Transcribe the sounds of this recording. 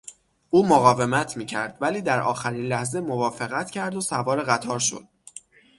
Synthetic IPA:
ʔuːmoɣɒːve̞mæt̪ʰmiːcʰæɾd̪̥væliːd̪æɾʔɒ̰ːxæɾinlæhze̞mo̞vɒːfe̞ɣæt̪ʰcʰæɾd̪osævɒːɾeɣæt̪ʰɒːɾʃo̞̰d̪̥̚

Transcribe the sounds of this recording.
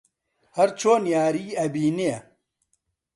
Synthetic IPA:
hɐɾt͡ʃʰoːnjaːɾiːɐbiːneɐ

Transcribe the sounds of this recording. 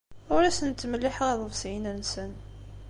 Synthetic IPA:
ʊɾæsənt̪ːməlːɪħəʁæðˤəvsjinænsən

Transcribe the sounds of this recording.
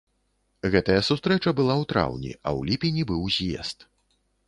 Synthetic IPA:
ɣɛt̪ɐjɐsust̪ɾɛt͡ʂɐbɨlˠawt̪ɾa̰wnʲḭɐ̰wlʲipʲinʲibɨwzʲjɛ̰st̪

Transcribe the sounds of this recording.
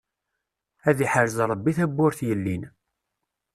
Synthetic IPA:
æðiħəɾzɾˤəbːiθæbːʊɾθjəlːin

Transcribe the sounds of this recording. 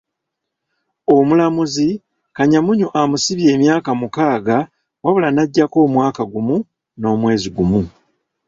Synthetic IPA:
o̞mulamuzi | kaɲamuɲuʔamusiβje̞ːmjaːkamukaːɡa | waβulanaɟːako̞ːmwaːkaɡumu | no̞ːmwe̞ːziɡumu

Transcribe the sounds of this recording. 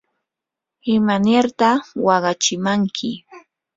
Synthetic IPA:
ɪmanɪɾt̪awɑɢɑt͡ʃɪmaŋkʰɪ

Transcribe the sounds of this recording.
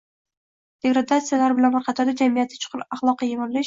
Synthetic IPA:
d̪̥e̞ɡɾad̪at̪sɨjalaɾɪbɪlanbaɾqʰɑt̪ʰaɾd̪ad͡ʒamijat̪ʰːɪt͡ʃʰʊ̥qʰɨɾaχlˠɒqːɑjemaɾlɪʃ

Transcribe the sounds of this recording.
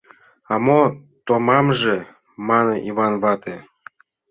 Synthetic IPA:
ɑmo | t̪omɑmʒe | mɑnɤ̆ʔiβɑnβɑt̪ʰe

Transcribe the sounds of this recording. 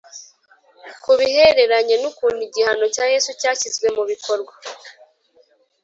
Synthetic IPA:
kuβihe̞ɾe̞ɾaɲe̞nukuːniɟihano̞caːje̞sucaːçizɡwe̞muβikʰo̞ɾɡwa

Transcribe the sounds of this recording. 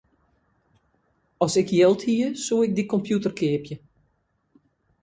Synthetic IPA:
ɔsɪkʰjɪlˠthiəsuəɪk̚dikɔmpjutərkʰɪəpjə

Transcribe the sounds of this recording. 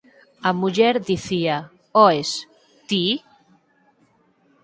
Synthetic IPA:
amuʎɛɾðiθia | ɔes | t̪i

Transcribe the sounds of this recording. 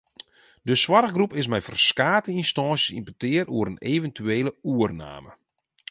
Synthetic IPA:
dəswarɣɡrupɪs̬mɛjfərskaːtəinstɔːsjəsḭmpətɪəɾuəɾəneːvəntʰyeːləuərna̰ːmə

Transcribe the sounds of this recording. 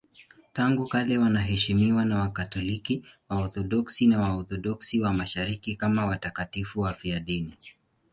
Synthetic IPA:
taŋɡukalɛwanaɦɛʃimiwanawakatɔlikiwaɔθɔɗɔksinawaɔθɔɗɔksiwamaʃaɾikikamawatakatifuwafiaɗini

